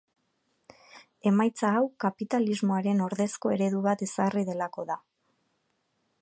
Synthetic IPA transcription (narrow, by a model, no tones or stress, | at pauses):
e̞majt͡saːwkapit̪alizmo̞aɾe̞no̞ɾðe̞sko̞e̞ɾe̞ðuβat̪e̞sariðe̞lako̞ða